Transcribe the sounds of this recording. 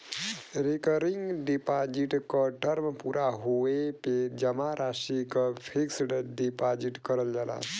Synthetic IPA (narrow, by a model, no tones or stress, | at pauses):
ɾekəɾiŋɡɖipad͡ʒiʈkɔʈəɾmpuːɾaɦoeped͡ʒəmaɾʔaːʃikɔpʰiksɖɖipad͡ʒiʈkəɾəld͡ʒala̰